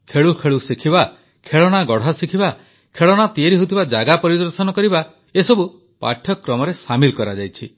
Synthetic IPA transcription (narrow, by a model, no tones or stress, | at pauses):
kʰeɭukʰeɭusikʰiba | kʰeɭɔɽ̃aɡɔɽ̤asikʰiba | kʰeɭɔɽ̃at̪ieɾiɦut̪ʰibad͡ʒaɡapɔɾid̪ɔɾsɔnɔkɔɾiba | esɔbu | pa̰ʈʰjɔkɾɔmɔɾesamilkɔɾad͡ʒajt͡ʃʰi